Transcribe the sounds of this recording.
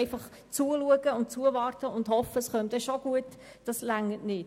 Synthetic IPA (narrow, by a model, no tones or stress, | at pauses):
ɪfɑχ | t͡suəluəɡəʊntt͡suəʋɑːrtəʊndhɔfəsχœmd̥̪ɛʃoɡ̥uət | d̥ɑslæŋətnɪt